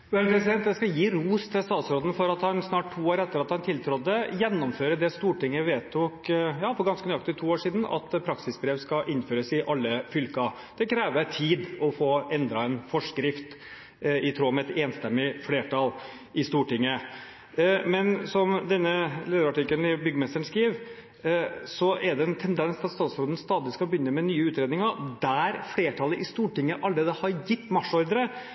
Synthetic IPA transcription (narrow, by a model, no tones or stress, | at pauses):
ɛlpʰɾɛsɪd̪ɛnt̪d̪ɛskɑjiːɾuːst̪ʰɪlst̪ɑːt̪sɾoːd̪n̩fɔɾɑt̪hɑnsnɑːʈ̚tʰːuːoːɾɛt̪ːəɾɑt̪hɑnt̪ʰɪlt̪ʰɾɔd̪ːəjɛnːɔmføːɾəd̪ɛst̪uːʈɪŋːəʋeːt̪ʰːukjɑːfɔɾɡɑnskənyʏɑk̚t̪ɪt̪ʰuːoːʂiːd̪n̩ɑ̰t̪pʰɾɑksɪsbɾeːʋskɑʔɪnːføːɾəsɪʔɑlːəfʏlkɑ | d̪̥ɛkʰɾɛːʋət̪ʰiːd̪ɔfoːɛnd̪ɾɑɛnfɔʂkɾɪft̪ | ɪt̪ʰɾoːmɛɛt̪eːnst̪ɛmːɪfleːʈɑl | ɪst̪uːʈɪŋːə | mɛnsɔmd̪ɛnːəleːd̪əɾɑʈɪkːəlnɪbʏɡːəmɛst̪əɳskɾiːʋ | sɔʔɛɖ̪ɛɛnt̪ʰɛnd̪ɛnsɑt̪st̪ɑːt̪sɾoːd̪ən̩st̪ɑːd̪ɪskɑbəjʏnːəmɛnyːəʉːt̪ɾeːd̪nɪŋəd̪æɾfɽeːʈʰɑlːəʔɪst̪uːʈɪŋːəʔɑld̪ɾeːd̪əhɑɾjɪt̪ːmɑʂːɔɾd̪əɾə